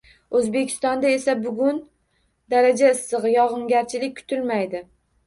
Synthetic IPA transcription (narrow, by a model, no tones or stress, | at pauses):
ɵzbe̞kʲʰɪ̥st̪ɒnd̪ae̞sabʊɡʲʊn | d̪aɾad͡ʒaɪsːɨʁɨjɒʁɨŋɡʲaɾt͡ʃʰɪlɪk̚ʲkʰʊ̥t̪ʰɪlmajd̪ɪ